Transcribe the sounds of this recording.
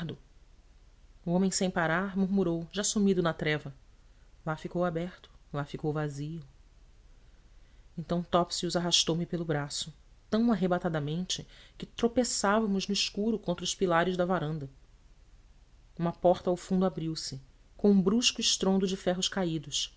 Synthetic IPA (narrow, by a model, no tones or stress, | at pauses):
d̪ʊ | uõmẽj̃sẽj̃paɾaɾmuɾmuɾowʒasumid̪ʊnɐt̪ɾɛvɐ | lafikowabɛɾt̪ʊ̥lafikowvaziʊ | ẽnt̪ɐ̃w̃t̪ɔpsiuzaɦaʃt̪owmɪpelʊbɾasʊ | t̪ɐ̃w̃aɦebat̪ad̪ɐmẽnt͡ʃɪkɪt̪ɾopesavɐmʊznʊɪʃkuɾʊkõnt̪ɾʊʃpilaɾɪzd̪ɐvaɾɐ̃nd̪ɐ | ũmɐpɔχt̪ɐawfũnd̪ʊabɾiwsɪ | kõw̃ũbɾuʃkʊɪʃt̪ɾõnd̪ʊd͡ʒɪfɛɦʊʃkaid̪ʊs